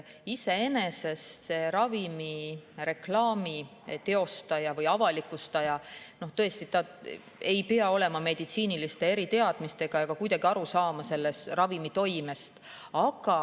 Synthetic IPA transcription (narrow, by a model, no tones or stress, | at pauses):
ise̞e̞nese̞st̪se̞ɾɑvimire̞klɑːmi | t̪e̞o̞st̪ɑjɑvɯjɑvɑlikːˑust̪ɑjɑno̞ht̪ɤ̞est̪it̪ɑ | e̞jpeɑo̞le̞mɑme̞d̪̥it̪siːnilist̪e̞e̞ɾit̪e̞ɑd̪̥mist̪e̞ɡ̥ɑɑɡ̥ɑkujd̪ɑɡ̥iɑɾusɑːmɑse̞lːe̞st̪rɑvimit̪o̞jme̞st̪ | ɑɡ̥ɑ